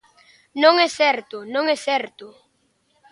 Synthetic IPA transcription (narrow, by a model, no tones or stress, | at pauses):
nõŋɛsɛɾt̪ʊnõŋɛsɛɾt̪ʊ